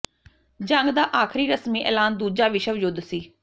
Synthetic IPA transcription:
d͡ʒəŋɡd̪aːʔaːkʰɾiːɾəsmiːʔɛ̰ːlaːnd̪uːd͡ʒaːʋiʃəʋd͡ʒʊd̪siː

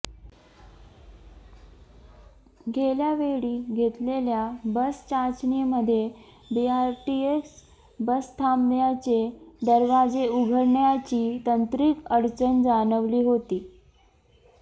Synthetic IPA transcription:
ɡʱeljaʋeɭiːɡʱet̪leljabəst͡ɕat͡ɕneməd̪ʱːje | biaɾʈieks | bəst̪ʰamljat͡ɕed̪əɾʋad͡zeuɡʱəɾɳjat͡ɕiːt̪ənt̪ɾikəɾt͡ɕənd͡zanəʋliːɦot̪iː

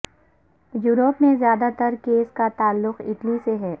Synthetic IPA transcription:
juːɾoːpmẽzjaːd̪at̪əɾkeːskat̪aːlːʊqɪ̰ʈliseɦɛː

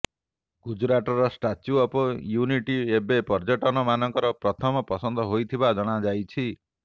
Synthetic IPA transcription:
ɡud͡ʒɾaʈɔɾɔsʈat͡ʃjuɔpɔjuniʈiebepɔɾd͡ʒɔʈɔnɔmanɔŋkɔɾɔpɾɔt̪ʰɔmɔpɔsɔnd̪ɔɦojt̪ʰibad͡ʒɔɽ̃ad͡ʒajt͡ʃʰi

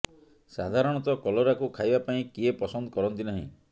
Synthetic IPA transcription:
sad̪ʱaɾɔɽ̃ɔt̪ɔkɔlɔɾakukʰajbapaĩkiepɔsɔnd̪ɔkɔɾɔnt̪inaɦḭ̃

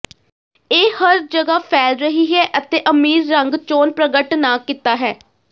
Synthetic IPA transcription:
eːhəɾd͡ʒəɡaːpʰɛːlɾəɦiːɦɛːʔət̪eːʔəmiːɾːəŋɡt͡ʃoːnpɾəɡəʈnaːkɪt̪aːɦɛː

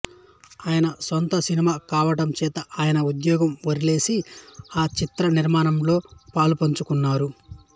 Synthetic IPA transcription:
aːjɐnɐsɔnt̪ɐsinimaːkaːʋɐɽɐmt͡ʃɛːt̪ɐʔaːjɐnɐud̪jɔːɡɐmʋɐɾile̞ːsiaːt͡ʃit̪ɾɐniɾmaːnɐmlo̞ːpaːlupɐɲt͡ʃukunːaːɾu

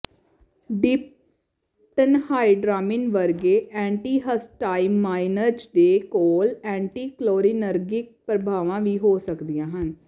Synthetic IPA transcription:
ɖɪp̚ | ʈənhaːiɖɾaːmɪnʋəɾɡeːʔɛ̃ːɳʈiːɦəsʈaːimaːɪnəɾd͡ʒd̪eːkoːlɛ̃ːɳʈiːkloːɾiːnəɾɡɪk̚pɾəbʱaːʋãːʋiːɦoːsəkd̪ijãːɦən

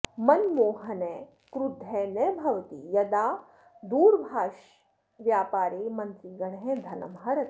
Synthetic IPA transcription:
mɐnmoːɦɐnɛː | kɾud̪ʱːɛːnɛbʱɐʋɐt̪ḭːjɐd̪aː | d̪uːɾbʱaːʃ | ʋjaːpaːɾeːmɐnt̪iːɡɐɽɦɛ̃d̪ʱɐnɐ̰mɦɐɾɐt̪

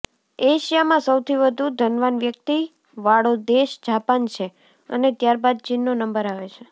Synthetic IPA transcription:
eʃijamãsəwt̪ʰiʋəd̪ʱud̪ʱənʋanʋjək̚t̪i | ʋaɽod̪eʃd͡ʒapant͡ʃʰe | ə̰net̪jaɾbad̪̚t͡ʃinːonəmbəɾaʋet͡ʃʰe

